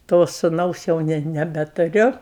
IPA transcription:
toː sʊˈnɐʊs jɛʊ ˈnʲɛ nʲɛbʲɛtʊˈrʲʊ

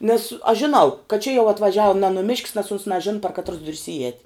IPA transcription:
nʲɛs ɐʃ ʒʲɪˈnɐʊ kɐt t͡ʃʲɛ jɛʊ ɐtʋɐˈʒʲɛʊ nʲɛ nʊˈmʲɪʃʲkʲs nʲɛs ʊns nɐˈʒʲɪn pɐr kɐtˈrʊs ˈdʊrʲs ɪˈɛːtʲ

